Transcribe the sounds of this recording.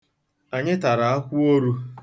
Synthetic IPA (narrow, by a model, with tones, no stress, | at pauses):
a˨ɲɪ˦ta˨ɾa˨a˦kʷu˦o˦ɾu˦